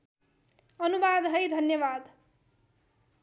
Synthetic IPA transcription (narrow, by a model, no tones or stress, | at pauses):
ʌnubad̪ɦʌjd̪ʱʌnjʌβad̪